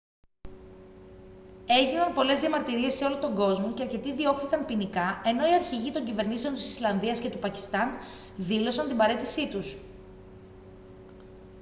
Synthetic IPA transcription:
e̞ʝinɐnpo̞le̞zðiɐmɐɾt̪iɾie̞se̞o̞lot̪o̞ŋɡo̞zmo̞ce̞ɐɾce̞t̪iðio̞kθikɐnpinikɐe̞no̞iɐɾçiʝit̪o̞ɲɟive̞ɾnisent̪i̥si̥slɐnðiɐsce̞t̪upɐci̥st̪ɐn | ðilo̞sɐnt̪imbɐɾe̞t̪isit̪us

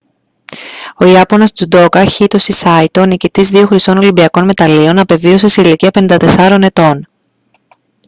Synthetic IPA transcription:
o̞iɐponɐst̪ud̪o̞kɐçit̪o̞sisɐit̪o̞nicit̪izðio̞xɾist̪o̞no̞limbiɐko̞nme̞t̪ɐlio̞nɐpe̞vio̞se̞siiliciɐpenind̪ɐt̪e̞sɐɾo̞ne̞t̪o̞n

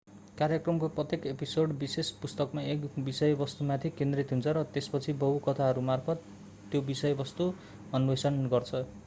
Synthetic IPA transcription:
kaɾjʌkrʌmkoprʌt̪jekepisoɽbisespust̪ʌkmaekbisʌjbʌst̪umat̪ʰikend̪rit̪ɦunt͡sʰʌɾʌt̪espʌt͡sʰibʌɦukʌt̪ʰaɦʌɾumarpʰʌt̪ː | jobisʌjbʌst̪u | ʌnuwesʌnɡʌrt͡sʰʌ

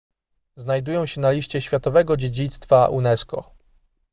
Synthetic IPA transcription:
znajd̪ujɔ̃w̃ɕɛnalʲiɕt͡ɕɛɕfʲjat̪ɔvɛɡɔd͡ʑed͡ʑit̪st̪faʔunɛskɔ̰

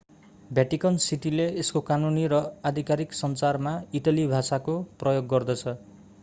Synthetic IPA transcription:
bjaʈikʌnsiʈileeskokanuniɾʌad̪ʱikaɾiksʌnt͡sarmaiʈʌlibʱasakoprʌjoɡːʌrd̪ʌt͡sʰʌ

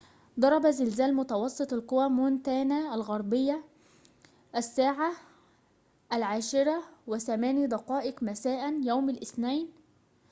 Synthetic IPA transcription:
d̪ˤɑɾˤɑbæzɪlzæːlmʊt̪ɑwɑsˤːɨt̪ˤɑlqʊwæmʊnt̪æːnæælɣɑɾˤbɪjːa | ʔæsːaːʕa | ʔælʕaːʃɪɾæwɪθæmæːnid̪ɑqɑːʔɪqmæsaːʔænjawmalʔɪθnajn

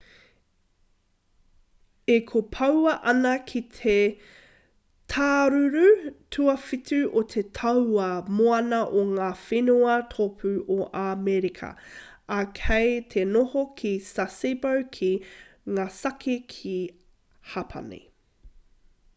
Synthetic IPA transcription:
ekʰopʰɐwɐʔɐnɐkʰitʰe | tʰaːɾʉɾʉtʰʉɐfitʉʔot̪ʰetʰɐwɐmoɐnɐʔoŋaːfenuɐtʰopʰʉoʔamɛɾikʰɐ̰ɐkʰejtʰenohokʰisasibɐwkʰiŋaːsɐkʰikʰi | hapʰɐ̰nḛ

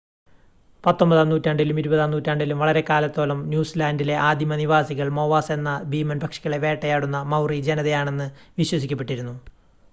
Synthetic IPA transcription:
pɐt̪ːo̞mbɐðaːmnuːtːaɳɖilumiɾubɐðaːmnuːtːiaːɳɖilumʋɐɭɐɾe̞kaːlɐt̪ːo̞ːlɐmnjuːslaːndile̞ʔaːd̪ʱjimɐniʋaːsiɣɐɭmo̞ːʋaːse̞nːɐbiːmɐnbʱɐkʂiɣɐɭeʋe̞ːʈːɐjaːɽunːɐmɐwrid͡ʑenɐðejaːɳe̞nːɨʋiɕwɐsikʲːɐpːeʈːiɾunːu

